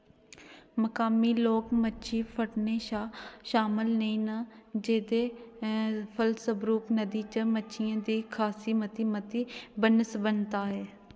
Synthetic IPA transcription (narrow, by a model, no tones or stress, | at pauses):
məkaːmiːloːkmətːʃʰiːpʰəʈneːʃaːʃaːmɪlnəĩːnaːd͡ʒeːd̪eː | pʰəlsəbɾuːknəd̪iːt͡ʃəmətːʃʰijãːd̪iːkʰaːsiːmət̪iːmət̪iːbənəsbənt̪aːɦɛː